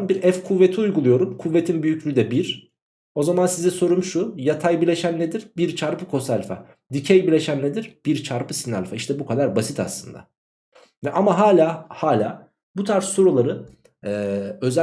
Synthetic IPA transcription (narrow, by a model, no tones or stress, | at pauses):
nbiɾɛfkʰuvːe̞t̪ʰiujɡulˠujo̞ɾumkʰuvːet̪ʰinbyjyclʲyyd̪ɛbiɾ | o̞zamansizɛso̞ɾumʃujat̪ʰajbilʲe̞ʃænːed̪iɾbiɾt͡ʃʰaɾpɯkʰo̞salʲfa̰ | d̪icʰɛjbilʲe̞ʃænːed̪iɾb̥iɾt͡ʃʰaɾpɯsinalʲfaiʃt̪ʰɛbukʰad̪aɾbasit̪ʰa̰slˠɯnd̪a̰ | vɛʔamaɦaːlʲaːhaːlʲa̰ː | but̪ʰaɾsːo̞ɾulˠaɾɯ | ɛːø̞zæ